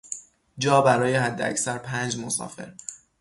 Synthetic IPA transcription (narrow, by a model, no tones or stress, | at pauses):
d͡ʒɒːbæɾɒːjehæd̪ːeæ̰csæɾpʰæːnd͡ʒmosɒ̰ːfe̞̰ɾ